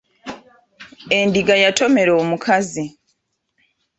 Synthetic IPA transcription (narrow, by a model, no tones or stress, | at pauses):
e̞ndiɡajato̞me̞ɾoːmukʰazi